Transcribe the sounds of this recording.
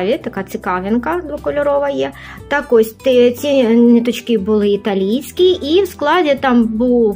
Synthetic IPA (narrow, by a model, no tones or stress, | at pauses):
ʋʲit̪ɐkat̪sɨkaʋʲɪnkɐd̪ʋɐkɔlʲʊɾɔʋɐjɛ | t̪akɔsʲt̪ɛt͡sʲinʲɛt̪ɔt͡ʃkʲibɨlˠɨːt̪alʲijsʲkʲiʔiwsklˠad͡zʲɛt̪ambɨw